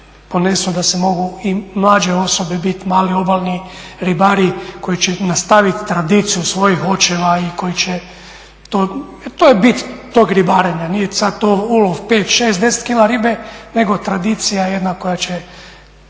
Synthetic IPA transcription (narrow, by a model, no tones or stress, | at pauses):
po̞ne̞sud̪asemo̞ɡuimlˠaːd͡ʒe̞o̞so̞bebit̪maːlio̞balniɾibaːɾiko̞jit͡ɕenast̪aʋit̪ːɾad̪iːt̪sijusʋo̞jixo̞t͡ʃe̞ʋaiko̞jit͡ɕe | t̪o | t̪oːjebit̪ːo̞ɡɾibaːɾeɲanijesad̪̚t̪ouloʋpeːt̪ʃeːsd̪e̞set̪kilaɾibene̞ɡo̞t̪ɾad̪iːt̪sijajed̪nako̞jat͡ɕe